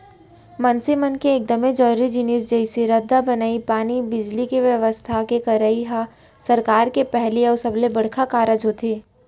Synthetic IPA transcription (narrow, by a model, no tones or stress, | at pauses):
mɐnsɪmənkeːk̚d̪əmẽd͡ʒɔːɾid͡ʒɪniːs̬d͡ʒɐɪseɾɐd̪ːabɐnaːipaːnibɪd͡ʒlikeʋjɐʋəst̪ʰakekɐɾəiɦa | sɐɾkaːɾkepɛɦliɔːɾsɐblebɐɽ̤kʰakaːɾəd͡ʒɦot̪ʰeː